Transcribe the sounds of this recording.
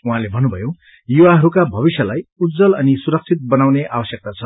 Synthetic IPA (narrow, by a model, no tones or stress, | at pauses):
uɦãlebʱʌnːubʱʌjo | juwaɦʌɾukabʱʌβisjʌlajud͡zʌlʌnisuɾʌk̚t͡sʰit̪̚bʌnawneʔabʌsjʌk̚t̪at͡sʰʌ